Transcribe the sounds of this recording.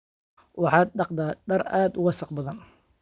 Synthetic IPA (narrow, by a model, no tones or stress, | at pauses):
wɑħɑːd̪̚dɑqd̪aːɖɐɾa̰ːd̪ʊwɑsɑqbɐðɐn